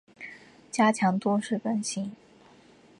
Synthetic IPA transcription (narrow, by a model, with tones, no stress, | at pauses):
t͡ɕja˥t͡ɕʰjɑ˧˥ŋt̪wɔ˥ʂɻ̩˥˩pə˥nɕi˥ŋ